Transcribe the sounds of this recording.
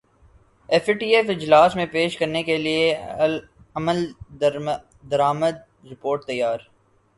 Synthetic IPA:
efʈiːefɪd͡ʒlaːsmẽpeːʃkɐɾnekelie | ɐməl | d̪ɐɾaːməd̪̚ | ɾɪpoːɾʈ̚t̪ɐjːaːɾ

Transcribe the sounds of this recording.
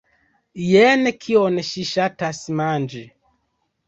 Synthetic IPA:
jɛnɛkʰiɔnɛʃiʃatasimand͡ʒi

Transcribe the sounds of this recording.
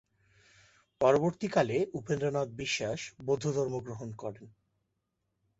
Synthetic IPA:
pɔɾoboɾt̪ikaleupend̪ɾonɔd̪̚biʃːaʃbod̪ʱːod̪ʱɔɾmoɡɾoɦonkɔɾen

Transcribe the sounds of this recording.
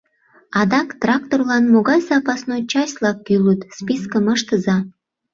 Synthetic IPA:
ɑd̪ɑkt̪rɑk̚t̪orlɑnmoɣɑjsɑpɑsnojt͡ɕɑsʲlɑkːylət̪spiskəməʃt̪əzɑ

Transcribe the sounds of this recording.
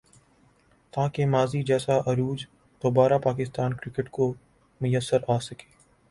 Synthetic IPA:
t̪aːkemaːzid͡ʒɛːsaʔɐɾuːd͡ʒ | d̪̥oːbaːɾapaːkɪst̪aːnkɾɪkəʈko | mʊjəsːəɾaːsɐke̥ː

